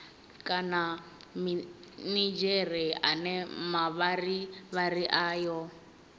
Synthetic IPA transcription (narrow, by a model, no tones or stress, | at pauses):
kʼana | minid͡ʒɛrɛa̰nɛmaβariβaɾiʔaːjɔ